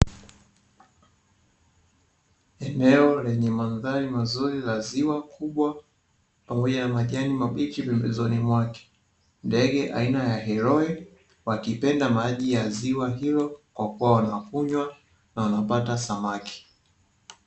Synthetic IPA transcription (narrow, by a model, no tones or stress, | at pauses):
ɛnɛɔlɛɲɛmanðaɾimazuɾilaziwakʰuɓwa | pamɔʄanamaʄanimaɓikipɛmbɛzɔnimwakɛ̥ | ndɛɠɛʔa̰inajaɦɛɾɔɛ | wakipɛndamaʄijaziwaɦilɔkwakuwawanafuɲwa | nawanapatasamakʰi̥